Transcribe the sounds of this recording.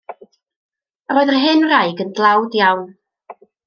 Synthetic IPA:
roːɨðərɦɪnrajɡəndlˠawdjawn

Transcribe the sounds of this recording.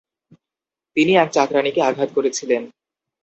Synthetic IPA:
t̪iniɛk̚t͡ɕakɾanikeaɡʱat̪̚koɾet͡ɕʰilen

